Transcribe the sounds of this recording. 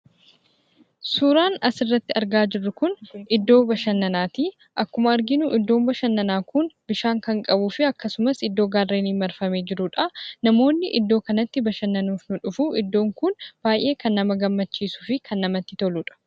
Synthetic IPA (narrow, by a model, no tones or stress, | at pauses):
suːɾaːnɐsɪrːɐt̪ːɪɐɾɡaːd͡ʒɪrːʊkʊnɪd̪ːo̞ːbɐʃɐnːɐnaːt̪iː | ʔɐkːʊmɐɐɾɡɪnʊʔɪd̪ːo̞ːmbɐʃɐnːɐnaːkʊnbɪʃaːŋkɐŋkʼɐbuːfɪɐkːɐsʊmɐsɪd̪ːo̞ːɡaːrːeːniːmːɐɾfɐme̞ːd͡ʒɪɾʊᶑɐnɐmo̞ːnːɪʔɪ̰d̪ːo̞ːkɐnɐt̪ːɪbɐʃɐnːɐnuːfnʊᶑʊfuʔɪd̪ːo̞ːŋkʊnb̥aːjʔe̞ːkɐnːɐmɐɡɐmːɐt͡ʃːiːsu̥ːfɪkʰɐnːɐmɐt̪ːɪt̪ɔluᶑɐ̥